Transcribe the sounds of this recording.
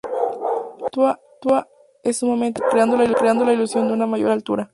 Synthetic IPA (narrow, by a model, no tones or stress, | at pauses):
t̪ua | t̪ua | esːumament̪ekɾeand̪olailukɾeand̪olailusjo̞nd̪eunamaʝo̞ɾalt̪uɾa